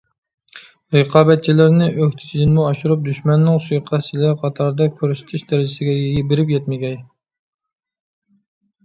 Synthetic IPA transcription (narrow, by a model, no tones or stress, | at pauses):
ɾəqʰɑːbɛt̪̚t͡ʃʰilɪɾnɪʔøkʲt̪ʰɪ̥t͡ʃʰd̪inmuɑʃuɾup̚d̪yʃmɛnːɪŋsujqʰɑt͡ʃʰilæɾqʰɑt̪ʰɑɾd̪ɑkʲʰøɾsɪ̥t̪ʰɪʃd̪ɛɾɪd͡ʒɪsɪɡʲɛjjibɪɾɪpjʲɛt̪̚mɪɡʲɛj